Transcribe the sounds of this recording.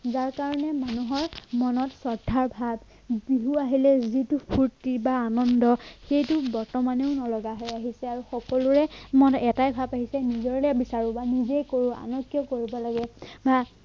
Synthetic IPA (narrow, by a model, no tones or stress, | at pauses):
zaɹkaɹɔnɛmanuɦɔɹmɔnɔtsɔdʱaɹbʱab | biɦuaɦilɛzitupʰuɹtibaːnɔndɔxejtʊbɔɹtɔmaneʊnɔlɔɡaɦɔjaɦisɛaɹuxɔkɔlʊɹɛmɔnɛtajbʱabaɦisɛnizɔɹlɛbisaɹubanizejkoɹua̰nɔkːjɔkoɹibɔlaɡɛba